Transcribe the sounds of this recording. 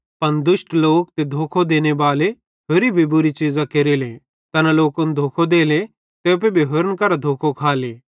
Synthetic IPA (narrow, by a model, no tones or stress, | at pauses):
pɐnd̪ʊsʈloːk̚t̪ed̪ʱoːkʰod̪eːnebaːle | ɦʊɾibʱibʊɾit͡ʃiːzãkeɾileː | t̪ɐnaloːkʊnd̪ʱoːkʰod̪eːle | t̪epebʱiɦʊɾənkɐɾad̪ʱoːkʰokʰaːleː